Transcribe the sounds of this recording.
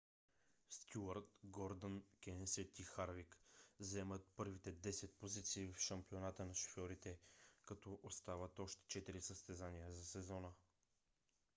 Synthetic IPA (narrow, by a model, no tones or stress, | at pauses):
st̪ʲuəɾt̪ɡɔɾd̪ənkʲɛnsɛt̪ixaɾvikzɛmət̪̚pɤɾvit̪ɛd̪ɛsɛt̪̚pozit̪siːvfʃɐmpionat̪ənɐʃo̥fjɔɾit̪ɛkɐt̪ɔʔost̪avət̪ɔʃt̪ɛ̥t͡ʃɛt̪iɾisəst̪ɛzanijəzɐsɛzɔnə